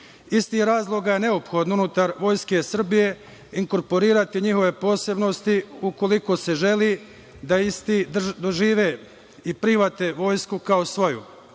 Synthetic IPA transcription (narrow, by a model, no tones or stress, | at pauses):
ist̪iːhɾaːzlˠo̞ɡaje̞ne̞opxo̞d̪nounut̪aɾʋo̞ːjske̞sr̩bije̞ | iŋko̞ɾpo̞ɾiːɾat̪iɲiɦo̞ʋe̞po̞ːse̞bno̞st̪iuko̞liko̞se̞ʒe̞liː | d̪aist̪iːd̪oʒiːʋe̞ | ipɾiʋat̪eʋo̞ːjskukaosʋo̞jṵ